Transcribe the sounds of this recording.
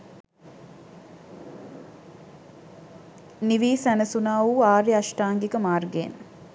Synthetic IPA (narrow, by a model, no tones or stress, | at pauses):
niʋiːsænəsunaːuaːɾiɐʃʈaːŋɡikəmaːrɡeːn